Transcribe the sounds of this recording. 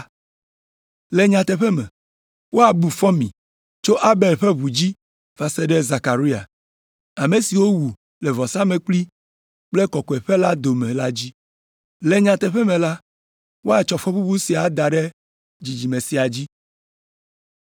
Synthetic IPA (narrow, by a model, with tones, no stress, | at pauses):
le˨ɲã˨t̪ɛ˨ɸɛ˦mɛ̰̃˨ | wo˦a˨bu˨fɔ˦mĩ˨ | t͡ʃo˦ʔa˦be˨lɸɛ˦βu˨d͡ʑi˦ | va˨sɛ˦ɖɛ˦za˨ka˨ɾi˦a̰˨ | a˨me˨si˨wo˦wu˨ | lɛ˨vɔ˨sa˦mẽ˨k͡pli˦ | k͡plɛ˦kɔ˨kɔ˨ɛ˨ɸe˦la˦d̪o˨mẽ˨la˦d͡ʑi˦ | le˨ɲã˨t̪ɛ˨ɸɛ˦mɛ̃˨la˦ | wo˦a˨t͡ʃɔ˨fɔ˦ɸu˦bu˦si˨a˨d̪a˨ɖe˦ | d͡ʑi˨d͡ʑi˨mẽ˨si˨a˨d͡ʑi˦